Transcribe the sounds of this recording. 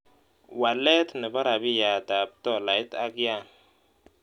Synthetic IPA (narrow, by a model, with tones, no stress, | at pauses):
wa˨lɛ˦tnɪ˨ba˦ɾa˨bi˦ja˨da˨b̚tɔ˦˨la˨˦ta˦ɡa˦˨n